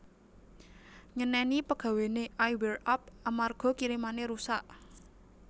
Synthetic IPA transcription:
ŋənɛnipəɡ̥ä̤weneʔajwɛrap̚amarɡ̥ɔ̤kiɾimaneɾusaʔ

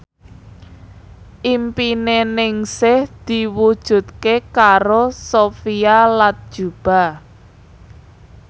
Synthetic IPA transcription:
ʔimpinenɪŋsɪhd̪̥i̤wud̥ʒ̥ṳt̪̚kekaɾosofialat̪̚d̥ʒ̥ṳb̥a̤

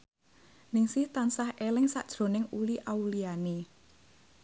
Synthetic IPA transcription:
nɪŋsɪht̪ansahʔelɪŋsa̰ʔd̥ʒ̥ɾo̤nɪŋuliʔauliane

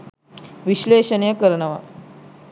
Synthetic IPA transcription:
ʋiɕleɕənijəkəɾɳaʋa̰

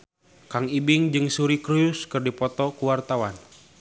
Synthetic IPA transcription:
kaŋibiŋd͡ʒɨŋsuɾikɾujuskɨrdipɔt̪ɔkuwart̪awan

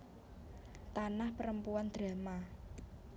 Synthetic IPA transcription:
t̪anahpəɾəmpuand̪̥ɾa̤ma

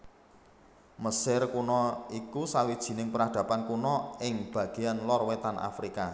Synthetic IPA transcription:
məsɪrkunɔikusawid̥ʒ̥i̤nɪŋpəɾad̪̥ä̤pankunɔɪŋb̥a̤ɡ̥e̤anlɔrwet̪anʔa̰fɾika

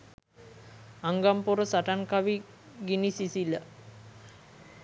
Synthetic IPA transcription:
aŋɡampuɾəsaʈaŋkaʋi | ɡinisisilə

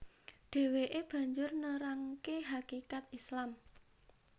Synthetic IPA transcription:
ɖ̪̥e̤weʔeb̥ä̤ɲd͡ʒʊrnəɾaŋkeɦakikat̪islam

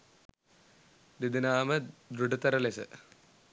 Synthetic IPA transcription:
d̪id̪inaːmɐd̪ɾuɖut̪ːɐɾɐlesɨ̰

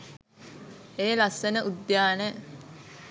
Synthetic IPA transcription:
eːlasːenəʔud̪jaːne

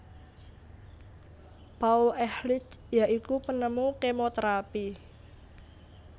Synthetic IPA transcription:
pauʔɛhlɪt͡ʃjaʔikupənəmukemot̪ɾapi

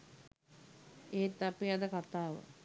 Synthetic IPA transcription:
eːt̪ːapiad̪əkat̪aːʋə̰

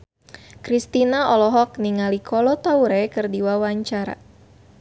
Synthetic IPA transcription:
kɾist̪inaɔlɔɦɔk̚niŋalikʰɔlɔt̪auɾɛkɨrdiwawaɲt͡ʃaɾa̰

